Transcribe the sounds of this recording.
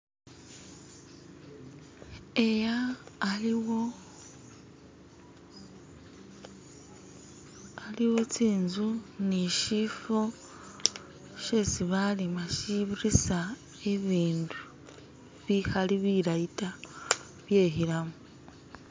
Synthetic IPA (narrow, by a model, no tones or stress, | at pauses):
ejalwo | aliwo̞t͡siːnzuniʃifo̞ | ʃesiβalimaʃiβiɾisa | eβiːndu | βixaliβiɾaita | βje̞ːɦiɾamo